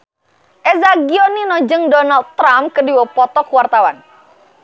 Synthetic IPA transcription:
ʔɛzaɡiɔninɔd͡ʒəŋdɔnald̪̚t̪ːɾamkədiwɔpɔt̪ɔkwart̪awa̰n

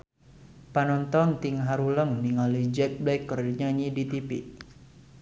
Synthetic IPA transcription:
panɔnt̪ɔnt̪iŋɦaɾuləŋniŋalid͡ʒɛk̚bɛɪkːərdiɲaɲidit̪ipḭʔ

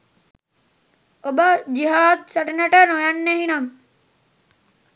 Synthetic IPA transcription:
obəd͡ʒiɦaːd̪̚sɐʈineʈənojanːeɦinɐm

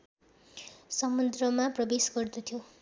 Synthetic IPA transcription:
sʌmud̪rʌmaprʌbesɡʌrd̪ut̪ʰjo

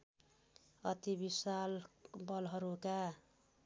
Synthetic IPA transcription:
ʌt̪ibisalbʌlɦʌɾuka

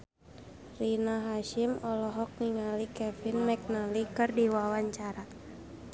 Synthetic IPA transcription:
rinaɦaʃimɔlɔɦɔk̚niŋalikɛfɪnmɛk̚nalikɨrdiwawaɲt͡ʃaɾa

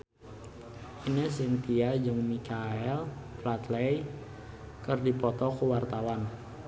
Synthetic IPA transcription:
inesɪŋt̪iad͡ʒəŋmikʰaɛlplat̪lej | kərdipɔt̪ɔkəwart̪awan

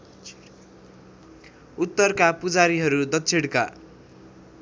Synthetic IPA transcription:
ut̪ːʌrkapud͡zaɾiɦʌɾud̪ʌt̪t͡sʰeɽka̰

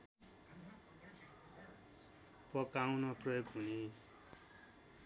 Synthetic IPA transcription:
pʌkaw̃nʌprʌjoɡɦuni

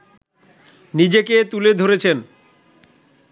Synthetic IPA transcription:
nid͡ʑeket̪uled̪ʱoɾet͡ɕʰen

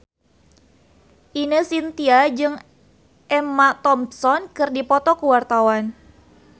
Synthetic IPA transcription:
ʔinəsint̪iad͡ʒɨŋ | ʔɛmat̪ɔmsɔnkɨrdipɔt̪ɔkuwart̪awan

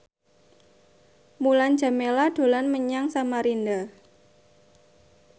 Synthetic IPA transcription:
mulan̥d͡ʒ̥a̤melad̥o̤lanməɲaŋsamaɾinda

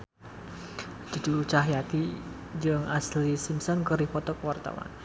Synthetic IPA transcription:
d͡ʒ̥ṳduut͡ʃaɦjat̪i | d͡ʒɨŋaslisimsɔnkəɾihpɔt̪ɔkəwart̪a̰wa̰n

